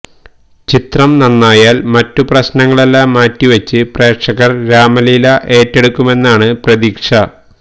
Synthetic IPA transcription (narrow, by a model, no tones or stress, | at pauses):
t͡ɕit̪rɐmnɐnːaːjaːlmɐtːuprɐɕnɐŋːɐɭe̞lːaːmːaːtːiʋɐt͡ɕːɨpre̞ːkʂɐɣɐrɾaːmɐlilɐʔe̞ːtːe̞ɽukːume̞nːaːɳɨprɐðiːkʂɐ